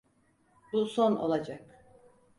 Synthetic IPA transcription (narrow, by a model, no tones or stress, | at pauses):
b̥usono̰lˠad͡ʒak